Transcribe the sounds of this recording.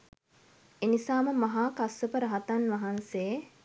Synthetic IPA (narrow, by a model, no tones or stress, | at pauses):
enisaːməmɐɦaːkasəpəɾəɦat̪anʋɐɦansej